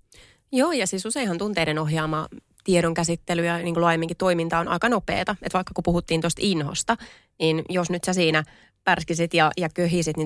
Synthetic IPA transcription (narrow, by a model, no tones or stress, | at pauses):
joːjɑsiːsuseihɑnt̪unt̪eidenoɦjɑːmɑ | t̪ieɾoŋkæsit̪ːelyjæniːŋkolɑemːiːŋkit̪t̪o̞imint̪ɑonɑ̰ikɑnopḛːt̪ɑet̪ʋɑikːɑkupuhut̪ːiːnt̪ost̪inho̰st̪ɑ | niːnjosnyt̪sæsiːnæ | pærskisit̪jɑjɑkøɦiːsit̪ni